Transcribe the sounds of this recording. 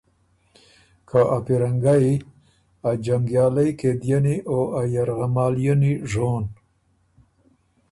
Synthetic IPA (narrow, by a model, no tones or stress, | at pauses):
kʰaʔapiɾaŋɡai | ad͡ʒaŋɡjɑːlajked̪janiʔoʔajaɾɣamɑːljaniʐon